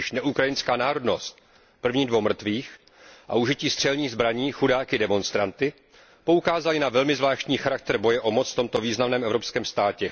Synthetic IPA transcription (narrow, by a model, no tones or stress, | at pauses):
ɪʃnɛʔukɾajɪnskaːnaːɾo̞dno̞st̪̚ | pr̩vɲiːdvowmr̩t̪viːx | ʔa̰uʒɪciːst̪r̥ɛlɲiːɣzbɾaɲiːxudaːkɪdɛmo̞nst̪ɾant̪ɪ | po̞ukaːzalɪnavɛlmɪzvlaːʃc̪ɲiːxaɾak̚t̪ɛɾbo̞jɛʔo̞mo̞t͡sft̪o̞mt̪o̞viːznamnɛːmʔɛvɾo̞pskɛːmst̪aːcɛ